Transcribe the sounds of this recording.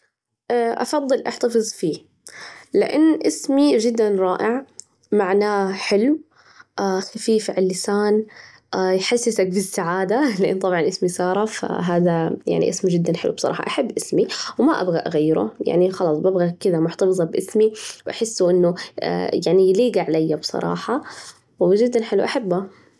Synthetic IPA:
ʔaʔɑ̰fɑðˤːɨlʔaħt̪ɑfɨzˤfiː | lɪʔɪ̰nːʔɪsmiʒɪd̪ːanɾˤɑːʔɪʕ | maʕnaːħɪlw | ʔaxafiːfʕɪlːɪsaːn | ʔjħasːɪsak̚bɪsːaʕaːd̪alɪʔɪ̰nt̪ˤɑbʕɑnʔɪsmisˤɑːɾˤɑfa̰ɦaːðaja̰ʕnḭʔɪsmd͡ʒɪd̪ːanħɪlṵbsˤɑɾˤɑ̰ːħɑ̰ʔaħabːʔɪsmiwmaʔa̰bɣaʔaɣajːɪɾʊ̰ja̰ʕnixɑlɑːsˤbabɣakɪd̪amʊħt̪ɑfɨzˤɑbʔɪsmiwʔaħɪsːuʔɪnːʊ̰jaʕnijliːɡaʕalajːabsˤɑ̰ɾˤɑ̰ːħɑ | wd͡ʒɪd̪ːanħɪlṵwʔaħabːa

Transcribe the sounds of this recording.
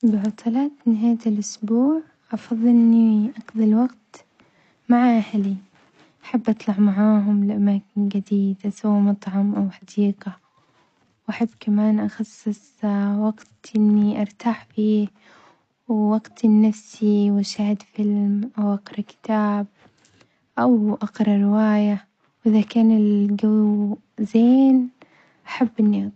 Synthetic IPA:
bɪʕɑt̪ʰˤɑlaːt̪nɪɦaːjːat̪ɪlʔʊsbuːʕ | ʔɑfɑðˤːɪnːiʔɑqðˤɑlwɑɡt̪ | maʕaʔahli | ʔaħabːʔɑt̪ˤlɑʕmaʕaːɦʊmlɪʔamaːkɪnɡad̪iːd̪asawamɑt̪ˤʕɑmʔawħɑd̪iːqa | wʔaħabːkamaːnʔɑxɑsˤːɨsˤ | wɑɡt̪ʔɪnːiʔɑɾˤt̪aːħfiː | wːɑɡt̪ʔnːafsiwʔaʃaːhɪd̪fɪlmʔawʔɑqɾˤɑkɪ̥t̪aːb̚ | ʔawʔɑqɾˤɑɾɪwaːja | wʔɪðakaːnɪlɡaw | zeːn | ʔaħabːʔɪnːiʔɑ

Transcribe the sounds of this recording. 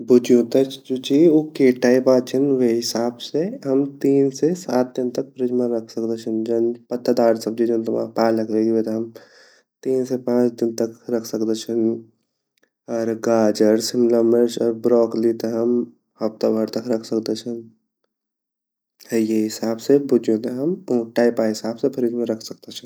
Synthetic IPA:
bʊd͡ʒjõt̪ət͡ʃd͡ʒut͡ʃiokeʈaːipaːt͡ʃʰənʋeɦɪsaːbseɦɐmt̪iːnsesaːt̪̚d̪ɪnt̪ɐk̚pɾɪd͡ʒmaɾɐkʰsəkd̪et͡ʃʰənd͡ʒənpət̪ʰːad̪aːɾsɐb̚d͡ʒid͡ʒont̪ɐma̰paːləkʰɾeɡiet̪ɦɐm | t̪iːnsepãːt͡ʃd̪ɪnt̪əkɾəkʰsəkd̪et͡ʃʰən | ɔːɾɡaːd͡ʒəɾsɪmlaməɾsɔːɾbɾɔːklit̪ɔɦəm | hɐbt̪abʱəɾt̪ɐkɾɐkʰsəkd̪et͡ʃʰən | hɛjeɦɪsaːbsebud͡ʒjõt̪eɦəmʈaːɪpaɦɪsaːbsepʰəɾid͡ʒmẽɾəkʰsək̚d̪et͡ʃʰən

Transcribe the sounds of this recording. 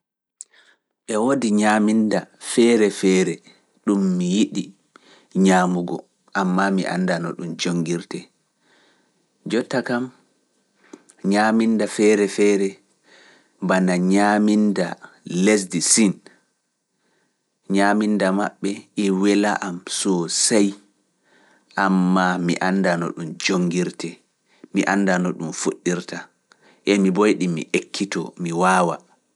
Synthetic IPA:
ɓɛwodiɲamindafɛːɾɛfɛːɾɛ | ɗumːijiɗi | ɲaːmuɡɔ̰ | ʔamːamiʔa̰ndanɔ̰ɗumd͡ʒoŋɡiɾtɛ | d͡ʒɔtːakam | ɲamindafɛːɾɛfɛːɾɛ | banaɲaminda̰ | les̬disin | ɲamindamaɓːɛɛwɛlaʔamsɔsaj | ʔamːamiʔandanɔ̰ɗumd͡ʒoŋɡiɾtɛ | miʔanːdanɔɗumfoɗːiɾta | ʔɛmibojɗimḭʔekʰːitɔ̰miwaːwa

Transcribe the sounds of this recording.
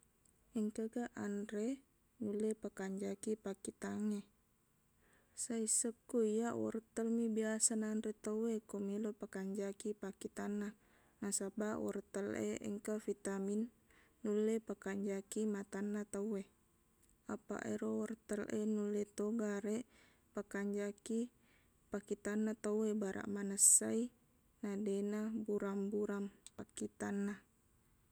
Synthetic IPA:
ɛŋkəɡaʔanɾe | nulepakaɲd͡ʒakipakit̪aŋe | saisəkːuijawɔ̰rt̪əlmibiasanandɾet̪əwekomilopakaɲd͡ʒakipakit̪anːa | nasabawɔ̰rt̪əlḛʔə̰ŋkafit̪aminː | ulːepakaɲd͡ʒakimat̪anːat̪awe | apa̰ʔeɾowɔrt̪əlenulːet̪oɡaɾe | pakaɲd͡ʒaki | pakit̪anːat̪awebaɾʔa̰ʔmanəsːai | nadenabuɾambuɾampakit̪anːa

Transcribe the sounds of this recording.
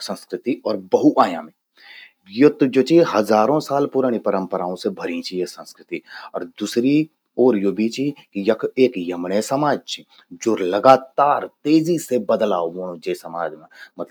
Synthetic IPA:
sə̃nskɾɪt̪iɔːɾbəɦuʔaːjã̰ːmẽ | jot̪d͡ʒoːt͡ʃiɦɐzaːɾõsaːlpʊɾaːɽ̃ipəɾə̃mpəɾaːõsebʱɐɾĩt͡ʃʰiesə̃nskɾɪt̪iɔːɾd̪uːsɾi | oːɾjoːbit͡ʃʰikjɐkʰeːkjɐmɽesɐmaːd͡ʒt͡ʃʰi | d͡ʒoːɾlɐɡaːt̪aːɾt̪eːzisebəd̪laːomoːnõd͡ʒeːsɐmaːd͡ʒmẽmɐt̪l

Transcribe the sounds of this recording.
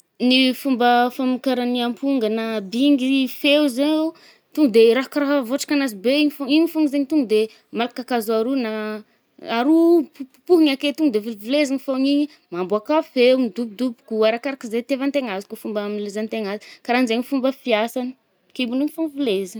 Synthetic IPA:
nifumbəfamikaɾaniampuŋɡənabiŋɡifewzee | t̪uŋɡud̪eɾaɦkɾaɦavoʈ͡ʂḁkʲanazibeiɲifoŋiɲifuŋɡizeɲit̪uŋɡud̪e | malakakazaɾuna | aɾupupupuɦiɲaket̪uŋɡd̪evilvilezaŋifoŋiɲi | mambuakafemid̪up̚d̪upu̥kuaɾakaɾakizet̪evant̪eŋazi̥kufumbamilezant̪eŋazikaɾanzeɲifumbəfiasanə̥ | kebuniɲifuŋvilezə

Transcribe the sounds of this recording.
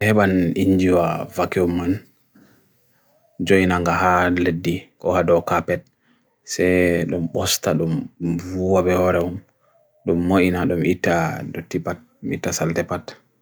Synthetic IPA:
hɛɓaniɲd͡ʒiwavakiumːan | d͡ʒojnaŋɡaɦaledːikɔhadɔkapɛt̚ | sɛɗɔmɓɔstaɗumvuwabɛhɔɾɛum | ɗumːoʔinaɗɔmitːadotːipat̚mitːasaltɛpat

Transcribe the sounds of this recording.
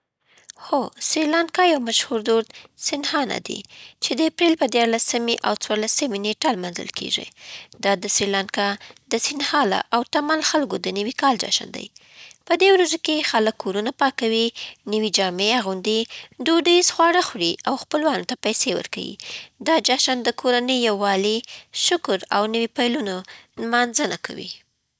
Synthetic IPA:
xosɾilankɑjawmaʃhuɾd̪oɾd̪sɪnhɑna̰d̪ḭt͡ʃed̪əapɾelpəd̪jɑɾlasəmeʔawt͡swɑɾlasəmeneʈalmɑnzə̰lkʰḛʒḭd̪ɑd̪əsɾilankɑd̪əsinhɑla̰ʔawt̪amalxalɡod̪ənəwikɑld͡ʒa̰ʃa̰nd̪a̰j | pəd̪ewɾaʒakexaləkʰːoɾunapɑkawinəwid͡ʒɑmeaɣund̪id̪oɖəzxwɑɽaxɽiʔawxpəlwɑnot̪apajsewə̰ɾka̰wḭd̪ɑd͡ʒɑʃand̪əkʰoɾanəjːawːɑliʃʊkʊɾawnəwipajlunanmɑnzənakʰa̰wḭ

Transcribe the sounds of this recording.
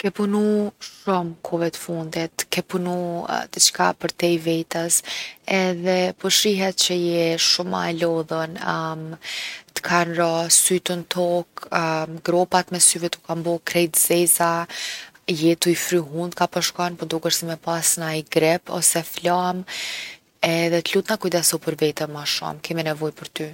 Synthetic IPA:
kɛpunuʃumkʰɔvɛt̪ə̥fund̪it̪kɛpunṵd̪ət͡ʃkapəɾt̪ɛjvɛt̪əsɛðɛpɔʃɾiɦɛt̪̚t͡ɕəjɛʃuma̰lɔðənmt̪ə̥kʰanɾasyt̪ənt̪ʰɔkɡɾɔpat̪mɛsyvɛt̪ukambɔkɾɛjt̪zɛza | jɛt̪uifɾyɦund̪kapɔʃkɔnpɔd̪ɔkəɾsimɛpasnajɡɾɛpɔ̰sɛflam | ɛðɛt̪əlut̪nakujd̪ɛsɔpəɾvɛt̪əmaʃṵmkɛminɛvɔjpəɾt̪y

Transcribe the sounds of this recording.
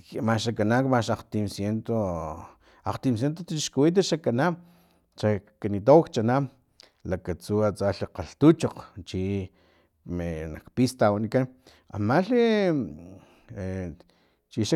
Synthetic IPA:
maʃakanakmaʃaqt̪imsjent̪o | aqt̪imsjent̪̬ot̪t͡ʃiʃkuwit̪̬aʃakanam | ʃakanit̪awakt͡ʃanam | lakat͡suat͡saɬiqaɬt̪ut͡ʃoqt͡ʃi | menakpist̪awanikan | a̰maɬi | t͡ʃiʃa

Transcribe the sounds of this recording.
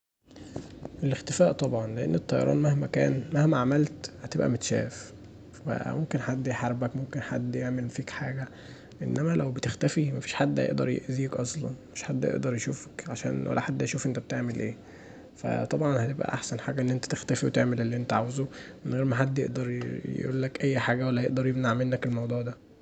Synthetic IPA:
ʔelext̪efæːʔt̪ˤɑbʕɑnleʔenːet̪ˤːɑjɑ̰ɾˤɑ̰ːnmæhmækæːnmæhmæʕamælt̪hæt̪ebʔæ̰met̪ʃæ̰ːf | wæ̰ʔmomkenħad̪ːjeħaɾˤbækmomkenħad̪ːjeʕmelfiːkħaːɡæ | ʔenːæmælæwbet̪ext̪æfimæfiːʃħad̪ːhæ̰ḛʔd̪ɑɾˤjḛʔziːkʔɑsˤlɑ̰nmmeʃħad̪ːjḛʔd̪ɑɾˤjeʃuːfæ̥kʕaʃæ̰ːnwæ̰lːæ̰ħad̪ːjʃuːfʔent̪æb̚et̪eʕmelʔḛː | fæ̰t̪ˤɑbʕɑnhæt̪ebʔæ̰ʔaħsænħaːɡæʔenːʔent̪æ̥t̪ext̪æfiwet̪eʕmelelːiʔent̪æʕawezomenɣeːɾmæħad̪ːjeʔd̪ɑɾˤj̰ʔṵːlːækʔæjːħaːɡæwælːæjeʔd̪ɑɾˤjebnaʕmenːækelmɑwd̪ˤuːʕd̪æ

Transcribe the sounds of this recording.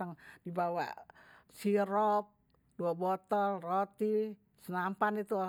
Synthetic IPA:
aŋdibawa̰ | siɾɔp̚ | d̥uabɔt̪ɔlrot̪i | sənampanit̪u

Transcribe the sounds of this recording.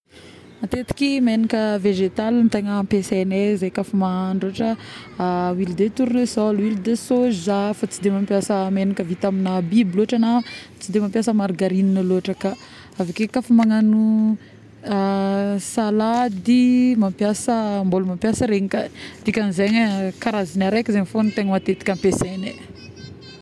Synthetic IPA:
at̪et̪i̥kimenikəveʒet̪alint̪eŋəpesenezajkafumaŋaɳɖ͡ʐoaʈ͡ʂə | wild̪et̪uɾunesɔlwilid̪esozizafat͡sid̪emampjasəmenikəvit̪aminabibloaʈ͡ʂanat͡sid̪emampjasəmaɾɡaɾininəloaʈ͡ʂəka | avakekafumaŋanu | salad̪imampjasəmbolumampjasəɾeɲikad̪̥ikʲanizeɲəkaɾazinaɾekʲizeɲfonit̪eŋəmat̪et̪i̥kʲampesene

